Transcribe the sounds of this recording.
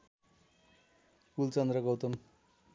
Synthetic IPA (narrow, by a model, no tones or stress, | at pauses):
kult͡sʌnd̪rʌɡʌwt̪ʌm